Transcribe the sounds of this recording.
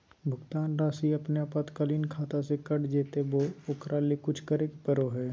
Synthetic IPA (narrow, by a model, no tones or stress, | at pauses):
bʱʊɡt̪aːnɾaːsiɐpnjapɐt̪kəliːnkʰaːt̪asekɐɽd͡ʒeːt̪eboːʊkɾʔaːlekʊt͡ʃʰkɐɾeːkpəɾoɦɛː